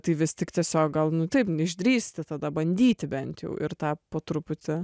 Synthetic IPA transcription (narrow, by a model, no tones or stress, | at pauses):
t̪ɐɪʋʲɪsʲt̪ʲɪkt̪ʲiɛsʲoːk̚ɡɐlˠnʊt̪ʲɐɪpnɛɪʒʲd̪ʲɾʲiːsʲt̪ʲɪt̪ɐd̪ɐbɐnʲd̪ʲiːt̪ʲɪbʲɛnʲt̪ʲjɛ̰ʊʔɪ̰ɾt̪ɑːpoːt̪ɾʊpʊt̪ʲɪ